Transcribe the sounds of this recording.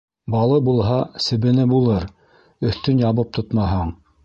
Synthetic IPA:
bɑlˠɤbulˠɦɑsɘ̆βɘ̆nɘbulˠɤɾ | ɵ̆θt̪ɵnjɑβɤp̚t̪ot̪mɑɦɤɴ

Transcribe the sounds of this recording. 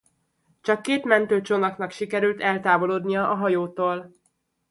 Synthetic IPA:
t͡ʃɒkːeːt̪mɛnt̪øːt͡ʃonɒknɒkʃikɛɾylt̪ɛlt̪aːvo̞loːd̪nijɒʔɒɦɒjoːt̪oːl

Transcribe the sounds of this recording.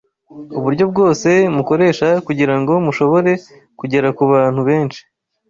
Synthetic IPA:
uβuɾɟo̞bɡo̞ːse̞muko̞ɾe̞ːʃakuɟiɾaŋɡo̞muʃo̞βo̞ɾe̞ | kuɟe̞ɾakuβaːn̥huβe̞ːnt͡ʃi̥

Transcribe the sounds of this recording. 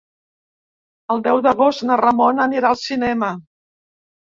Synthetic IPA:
əlˠd̪ɛwðəɣost̪nərəmonəniɾaəlˠsinɛmə

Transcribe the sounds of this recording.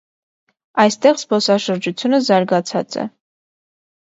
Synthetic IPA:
ɑjst̪ɛʁsbɔsɑʃəɾd͡ʒut͡sʰjunəzɑɾɡɑt͡sʰɑt͡sɛ̰

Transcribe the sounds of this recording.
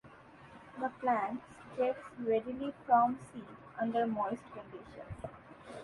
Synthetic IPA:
d̪əplæ̃ːɳʈsd͡ʒɛksɾɛɖilifɾɔ̃msiː | ʌ̃ɳɖəɾmoɪsʈkə̃ɳɖɪʃə̰̃ns

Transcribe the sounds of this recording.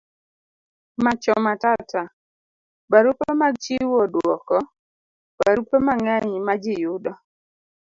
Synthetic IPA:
mat͡ʃɔmatata | baɾupomaɡ̚t͡ʃiwɔdwɔkɔ | b̥aɾupemaŋaɲimad͡ʒɪjʊdɔ

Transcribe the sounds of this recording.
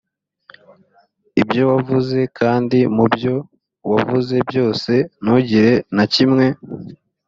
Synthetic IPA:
ibjo̞wavuze̞kʰaːndimubjo̞ | wavuze̞bjo̞ːse̞nuɟiɾe̞nacimŋe̞

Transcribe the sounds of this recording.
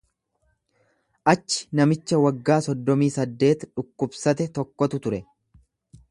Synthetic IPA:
ʔɐt͡ʃːɪ̥nɐmɪt͡ʃːɐwɐɡːaːsɔd̪ːɔmiːsɐd̪ːe̞ːt̪ᶑʊkːʊbsɐt̪ɛt̪ɔkːɔt̪ʊt̪ʊɾɛ

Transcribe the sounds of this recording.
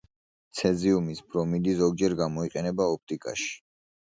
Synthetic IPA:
t̪sʰɛziumisbʰɾɔmid̪izɔɡ̚d͡ʒɛɾɡamɔiqʼɛnɛbaɔp̚t̪ʼikʼa̰ʃi̥

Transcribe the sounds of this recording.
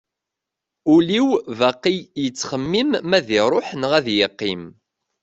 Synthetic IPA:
ʊliwvæqːijjət͡sːχəmːimːæðiɾˤoħnʁæðjəqːim

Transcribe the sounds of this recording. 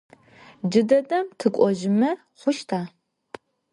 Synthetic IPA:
d͡ʒɨdɐdɐmtʰɨkʷʼɔʒɪmɐ | χʷʊʃtʰaː

